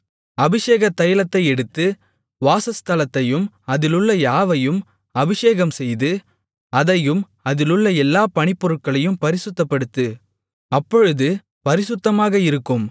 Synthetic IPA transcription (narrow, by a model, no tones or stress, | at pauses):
ɐbɪʂeːɣɐt̪ːɐjɐɭɐt̪ːɐɪɛɽɯt̪ːɯ | ʋaːsɐst̪ɐlɐt̪ːɐjɯm | ɐðɪlɯɭːɐjaːʋɐjɯm | ɐbɪʂeːɣɐmsɛjðɯ | ɐðɐjɯm | ɐðɪlɯɭːɐɛlːaːpɐɳɪpːɔɾɯʈ̚kɐɭɐjɯmpɐɾɪsɯt̪ːɐpːɐɽɯt̪ːɯ | ɐpːɔɻɯðɯ | pɐɾɪsɯt̪ːɐmaːɣɐɪɾɯkːɯm